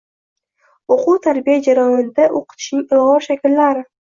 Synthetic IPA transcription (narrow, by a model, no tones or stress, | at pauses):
oqut̪ʰaɾbijad͡ʒaɾajɒnɪd̪aʔoqʰɨ̥t̪ʰɪ̥ʃnɪŋɪlˠʁɒɾʃakʲɪlːaɾɪ